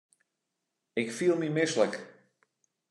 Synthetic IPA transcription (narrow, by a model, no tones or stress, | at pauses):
ɪkfilˠmimɪslək